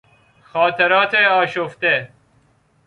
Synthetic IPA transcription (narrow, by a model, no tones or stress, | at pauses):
xɑːt̪ʰeɾɑːt̪ʰeɑːɕoft̪e